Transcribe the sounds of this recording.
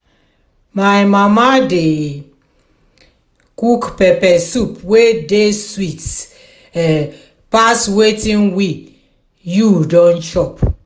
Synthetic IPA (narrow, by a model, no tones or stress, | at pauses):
majmamade | kukpɛpɛsupwedeswit | paswetĩnwi | judɔ̃nt͡ʃɔp